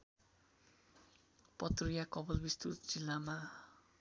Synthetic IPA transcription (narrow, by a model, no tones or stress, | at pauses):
pʌt̪ruijakʌbʌlbist̪ut̪d͡zilːama